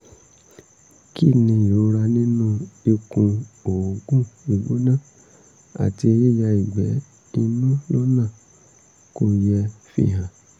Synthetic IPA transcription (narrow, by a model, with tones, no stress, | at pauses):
ki˦˨nĩ˧jo˨˦ɾa˧nĩ˦nũ˦e˧kũ˧o˨o˨ɡũ˦i˧˨ɡ͡bo˦nã˦˨ | a̰˨ti˧e˧ji˦˨ja˧i˨ɡ͡bɛ˨˦ | nĩ˧nũ˦lɔ˦nã˦˨ | ko˧jɛ˧fḭ˦˨ɦã˨